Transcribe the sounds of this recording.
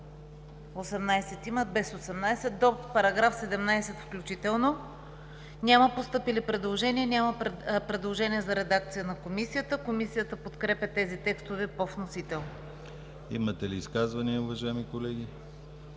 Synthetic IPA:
osɛmnajsɛt̪iməd̪̚bɛsosɛmnajsɛt̪d̪ɔpɐɾɐɡɾafsɛd̪ɛmnajsɛt̪fklʲut͡ʃit̪ɛlˠno | nʲaməpost̪ɤpilipɾɛd̪lˠoʒɛniənʲaməpɾɛd̪lˠoʒɛniəzɐɾɛd̪ak̚t̪sijənɐkomisijət̪əkomisijət̪əpot̪kɾɛpʲɐt̪ɛzit̪ɛkst̪ovɛpɔfnosit̪ɛlˠn | ḭmɐt̪ɛliːskazvɐniəʊvɐʒajɛmikolɛɡʲi

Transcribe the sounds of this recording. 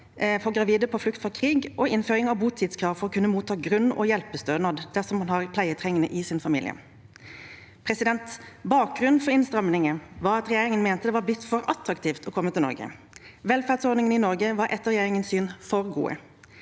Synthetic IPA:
fɔɡʁɑʋiːd̪əpʰɔflʉk̚t̪fɔkʰʁiːɡʔɔʔɪnføːʁɪŋɑʋbuːt̪ʰiːd̪skʰʁɑːʋfɔʁɔːkʰʉnːəmuːt̪ʰːɑːɡʁʉnːɔ̰jɛlpːəst̪øːnɑd̪d̪̥æʁsɔmhɑnhɑʁpʰlæɪət̪ʰʁɛŋːənəʔɪsɪnfɑmḭːlɪə̰ | pʰɾɛsɪd̪ɛnt̪bɑːk̚ɡʁʉnfɔʁɪnst̪ʁɑmnɪŋəʋɑːɾɑt̪ʁɛjeːɾɪŋənmɛːnt̪əd̪ɛʋɑɾblɪt̪ːfɔɾɑt̪ɾɑkt̪ʰiːft̪ʰɔkʰɔmːət̪ɪlɔ̰ɾɡə̰ | ʋɛlfæʁd̪sɔd̪nɪŋənɪnɔʁɡəʋɑɾʔɛt̪ːəʁɛjeːʁɪŋənsyːnfɔʁɡṵːə̰

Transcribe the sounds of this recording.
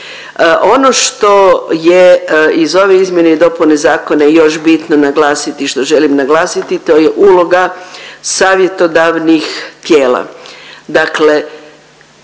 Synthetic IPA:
ʔo̞no̞ʃt̪o̞jeizo̞ʋeizmje̞neid̪o̞punezaːko̞najo̞ʃbit̪no̞naɡlˠaːsit̪iʃt̪o̞ʒelimnaɡlaːsit̪it̪o̞ːjeʔulo̞ɡasaːʋje̞t̪o̞d̪aʋnixt̪jeːla̰d̪akle̞

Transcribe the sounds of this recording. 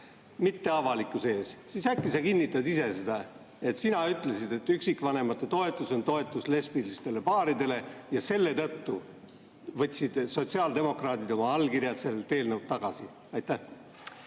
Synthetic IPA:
mit̪ːe̞ɑvɑlikːˑuse̞ːssisækːisɑkinʲːit̪ːˑɑd̪ise̞sed̪̥ɑ | e̞t̪sinɑyt̪ːˑle̞sid̪̥e̞t̪ːˑyksikːˑvɑne̞mɑt̪ːˑet̪o̞e̞t̪ːˑuso̞nt̪o̞e̞t̪ːˑusle̞spilist̪e̞le̞pɑːɾid̪e̞le̞jɑse̞lːe̞t̪ɤ̞t̪ːu | vɤt̪ʲsid̪̥so̞t̪ʲsiɑːld̪e̞mo̞krɑːd̪id̪̥o̞mɑɑlːkiɾjɑse̞lt̪e̞ːlnɤwd̪̥̚t̪ɑɡ̥ɑsi | ɑjt̪ːˑæh

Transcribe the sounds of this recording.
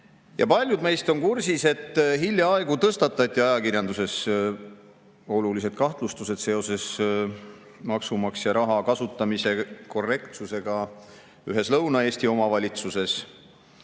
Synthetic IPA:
jɑpɑlʲjud̪me̞jst̪o̞nkursise̞t̪ːˑɦilʲjɑɑeɡ̥ut̪ɤst̪ɑt̪ːˑɑt̪ʲːˑiɑjɑkirjɑnd̪use̞s | o̞lulise̞d̪̥kɑht̪lust̪use̞d̪se̞o̞se̞s | mɑksumɑksjɑɾɑɦɑkɑsut̪ːˑɑmise̞ko̞rːe̞kt̪suse̞ɡ̥ɑ | yɦe̞slɤwnɑe̞ːsʲt̪io̞mɑvɑlʲit̪suse̞s

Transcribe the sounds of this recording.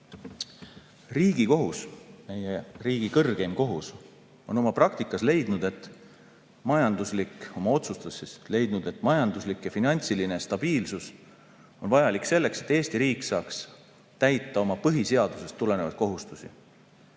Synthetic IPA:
riːɡ̥iko̞ɦusme̞jeriːɡ̥ikɤrɡ̥emko̞ɦus | o̞no̞mɑprɑkt̪ikːˑɑsle̞jd̪̥nud̪̥e̞t̪ːˑ | mɑjɑnd̪̥uslikːˑo̞mɑo̞t̪sust̪ɑsisle̞jd̪nud̪̥e̞t̪ːˑmɑjɑnd̪̥uslikjɑfinɑnʲt̪siline̞st̪ɑb̥iːlsus | o̞nvɑjɑlikse̞lːe̞kse̞t̪ːˑeːst̪iɾiːksɑːks | t̪æjt̪ːˑɑo̞mɑpɤɦise̞ɑd̪̥use̞st̪ːule̞nevɑ̰d̪̥̚ko̞ɦust̪usi

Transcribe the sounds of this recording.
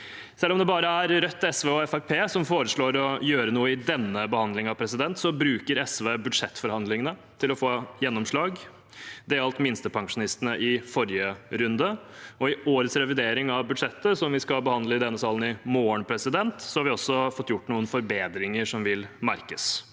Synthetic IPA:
sɛlːɔmd̪ɛbɑːɾəæɾɾœt̪ːɛsʋeːɔɛfæɾpʰeːsɔmfoːɾəʂɭoːɾɔjøːɾənuːəɪd̪ɛnːəbəhɑnd̪lɪŋɑʋpʰɾɛsɪd̪ɛnt̪sɔbɾʉːkəɾɛsʋeːbʉd̪ʂɛt̪ːfɔɾhɑnd̪lɪŋənət̪ʰɪlɔfoːjɛnːɔmʂɭɑːɡ | d̪ɛɑlt̪mɪnst̪əpʰɑŋʂʊnɪst̪ənəʔɪfɔɾjəɾʉnd̪əɔɪoːɾət̪sɾɛʋɪd̪eːɾɪŋɑʋbʉd̪ʂɛt̪ːəsɔmʋɪskɑbəhɑnd̪ləɪd̪ɛnːəsɑːlənɪmoːəɳpʰɾɛsɪd̪ɛnt̪sɔhɑɾʋɪɔsːɔfɔt̪ːjʊʈːnuːənfɔɾbeːd̪ɾɪŋəʂɔmʋɪlmæɾkəs

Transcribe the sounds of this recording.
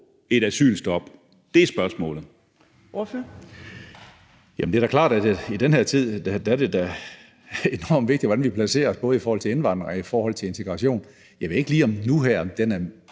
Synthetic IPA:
e̝ɾæsy̰ːlsd̥ɒ̽b̥ | d̥e̝æsb̥ɶɐsmɔ̰̽ːlð̩ˠ | oføɐ | jæmnd̥ed̥æɐkʰlɑ̰̈ːd̥æd̥eid̥enheɐ̰t͡sʰið̞̰ˠd̥æd̥æɐd̥e̝d̥æ | e̝nɒ̰ːmʋe̝ɡ̥d̥i̥ʋɒ̽denʋipʰlæse̝̰ːɐɒsb̥ɔ̽ːð̞̩ˠifɒɔːhɒ̰t͡sʰe̝e̝nʋɑ̈n̰d̥ʁɐifɒːhɒ̽l̰t͡sʰe̝le̝nt͡sʰe̝ɡ̥ʁɑ̈ɕo̝̰ːn | jɑɪʋe̝e̝ɡ̥liːɒ̽mnuɦæɐ̰d̥enæɐ

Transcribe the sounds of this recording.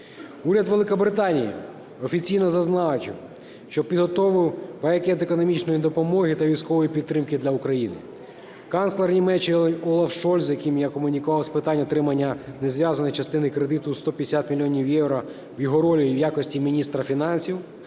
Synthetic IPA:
uɾʲɐd̪ʋelˠɪkɔbɾɪt̪ɑnʲijḭ | ɔfʲit͡sʲijnɔzɐznɑt͡ʃʲɪw | ʃt͡ʃɔpʲid̪ɦɔt̪ɔʋɪwʋɐɛkʲɛt̪ekɔnɔmʲit͡ʃnɔjid̪ɔpɔmɔɦɪt̪ɐʋʲijsʲkɔʋɔjipʲid̪t̪ːɾɪmkɪd̪lʲɐukɾɐjinɪ̰ | kɑnslˠernʲimɛt͡ʃːɪlˠɛnʲɔlˠɐfʃɔlʲszzjɐkʲimjakɔmʊnʲikʊʋɑwspɪt̪ɑnʲɔt̪ɾɪmɐnʲːɐnezʋʲjazɐnɔjt͡ʃɐst̪ɪnɪkɾed̪ɪt̪ʊst̪ɔpʲjd̪esʲat̪mʲilʲijɔnʲiwjɛwɾɔ | wjɔɦɔɾɔlʲijiwjakɔsʲtʲimʲinʲist̪ɾɐfʲinɑnʲsʲiw

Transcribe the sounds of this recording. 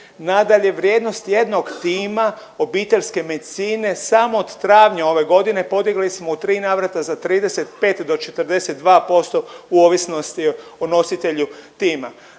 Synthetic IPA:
nad̪aʎe̞ʋɾjeːd̪no̞st̪je̞d̪no̞ɡt̪iːma | o̞biːt̪e̞ʎʲske̞me̞d̪it̪siːne̞samo̞ːd̪̥t̪ɾaːʋɲao̞ʋe̞ɡo̞d̪ine̞po̞d̪iɡlismo̞ut̪ɾiːnaːʋɾat̪azat̪ɾiːd̪e̞se̞t̪pe̞ːt̪d̪o̞t͡ʃet̪rd̪e̞se̞t̪̚d̪ʋaːpo̞st̪o̞uoːʋisno̞st̪iono̞sit̪e̞ʎut̪iːma

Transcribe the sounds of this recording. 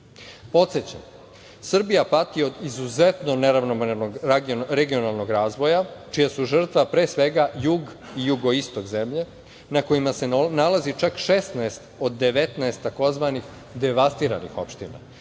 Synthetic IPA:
po̞t̪set͡ɕa̰m | sr̩bijapat̪io̞d̪izuzet̪no̞neɾaʋnomeɾnoɡɡɾeɡio̞nalˠno̞ɡɾaːzʋo̞jat͡ʃijasuʐr̩t̪ʋapɾe̞ːsʋe̞ɡajuɡ | ijuɡo̞ist̪oɡzemʎe̞ | nako̞jimase̞nalazit͡ʃakʃest̪nɛest̪od̪ːe̞ʋe̞t̪nɛest̪ːako̞zʋanix | d̪e̞ʋast̪iɾa̰nḭxo̞̰pʃt̪ḭna̰

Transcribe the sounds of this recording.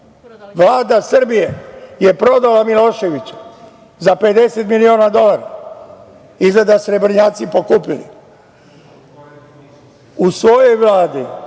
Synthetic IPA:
ʋlaːd̪asr̩bijeje̞pɾo̞d̪alamilo̞ʃe̞ʋit͡ɕu̥ | zape̞d̪e̞set̪milioːnad̪o̞laɾa̰ | izled̪asɾe̞bɾiɲaːt̪sipo̞kupilḭ | usʋo̞jo̞jʋlˠaːd̪i

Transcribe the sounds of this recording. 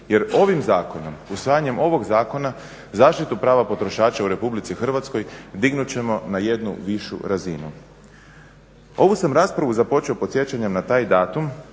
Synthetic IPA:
je̞ɾo̞ʋimzaːko̞no̞musʋaːjaɲe̞mo̞ʋo̞ɡzaːko̞na | zaːʃt̪it̪upɾaːʋapo̞t̪ɾo̞ʃaːt͡ɕauɾe̞publit̪sixr̩ʋat̪sko̞jd̪iɡnut͡ɕe̞mo̞naje̞d̪nṵʋiʃṵɾazinṵ | o̞ʋusamɾaspɾaʋuzapo̞t͡ʃio̞pot̪sje̞t͡ɕaɲe̞mnat̪aːjd̪aːt̪um

